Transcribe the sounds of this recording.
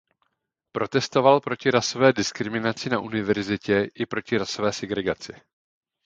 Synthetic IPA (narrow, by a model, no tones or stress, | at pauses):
pɾo̞t̪ɛst̪o̞valpɾo̞cɪɾaso̞vɛːdɪskɾɪmɪnat͡sɪnaʔunɪvɛɾzɪcɛʔɪpɾo̞cɪɾaso̞vɛːsɛɡɾɛɡat͡sɪ